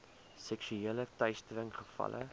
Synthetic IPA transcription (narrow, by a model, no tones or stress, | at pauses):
sɛksyeːlətœɥstəɾəŋχəfɐ̰lʔə̰